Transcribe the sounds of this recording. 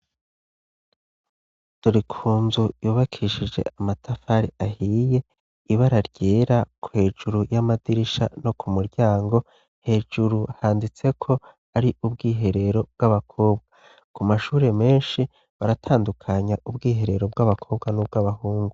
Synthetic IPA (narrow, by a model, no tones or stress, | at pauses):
d̥oɾikʰuːnzujuːβakʰiʃid͡ʒe̞̰ʔamatʰafaɾiahije̞ | iβaɾaɾɟ̥eːɾakuhe̞ːd͡ʒuɾujamadiɾiʃa̰no̞kumuɾɟaːŋɡo̞ | he̞ːd͡ʒuɾuhaːndit͡se̞kʰo̞ | aɾiʔubɡiːɦe̞ɾe̞ɾo̞b̚ɡaβakʰo̞ːbɡa | kumaʃuːɾe̞me̞ːnʃi | βaɾatʰaːndukʰaɲaʔubɡiːɦe̞ɾe̞ɾo̞b̚ɡaβakʰo̞ːbɡanub̚ɡaβahuːŋɡu